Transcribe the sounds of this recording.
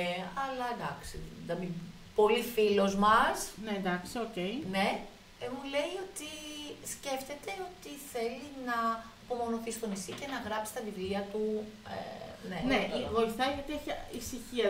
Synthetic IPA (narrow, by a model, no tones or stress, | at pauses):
ɐlɐd̪ɐksid̪ɐmi | po̞lifilo̞zmɐsnend̪ɐksiocejne̞ | emule̞jo̞t̪isce̞ft̪e̞t̪e̞o̞t̪iθe̞linɐɐpo̞mo̞noθist̪o̞nisice̞nɐɣɾɐpsi̥st̪ɐvivliɐt̪uḛneneivo̞iθɐiʝɐt̪ieçisiçiɐ